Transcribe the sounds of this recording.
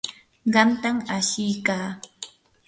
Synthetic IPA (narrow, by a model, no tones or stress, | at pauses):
ɢɑmt̪amaʃɪjkaː